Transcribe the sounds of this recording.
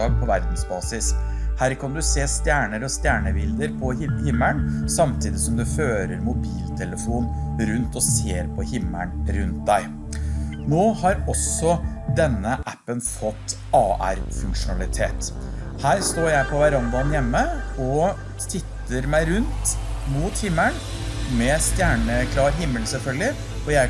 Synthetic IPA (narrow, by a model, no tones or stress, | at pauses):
ɑːɡ̚pʰɔʋæɾd̪n̩sbɑːsɪs | hæːɾkʰɑnd̪ʉseːst̪jæːɳəɾɔst̪jæːɳəʋɪld̪əɾpʰɔhɪmːəɳsɑmt̪ʰiːd̪ɪsɔmd̪ʉføːɾəɾmʊbiːlt̪ʰɛləfuːn | ɾʉnt̪ɔseːɾpʰɔhɪmːəɳɾʉnt̪̚d̪æɪ | noːhɑɾɔsɔd̪ɛnːəʔæpːənfɔt̪ː | ɑːʔæ̰ɾfʉŋkʂʊnɑlɪt̪ʰeːt̪ | hæːɾst̪oːɾjæɪpʰɔʋəɾɑnd̪ɑnjɛmːəɔ | t̪ʰɪt̪ːəɾmæɪɾʉnt̪muːt̪hɪmːən | mɛst̪jæːɳəkʰlɑːɾɦɪmːəlsɛlfœlɡɪ | ɔjæɪ